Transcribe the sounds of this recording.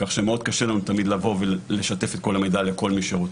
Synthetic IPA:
kaχʃemeo̞d̪̚kaʃelanut̪amid̪lavo̞vele̞ʃat̪e̞fe̞t̪̚ko̞lamejd̪ale̞ko̞lmiʃeʁot͡s

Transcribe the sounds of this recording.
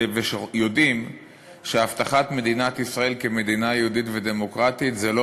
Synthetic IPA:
veʃejo̞dim | ʃeaft̪aχat̪me̞d̪inat̪isʁae̞lkeme̞d̪inajeud̪it̪ved̪e̞mo̞kʁat̪it̪zelo

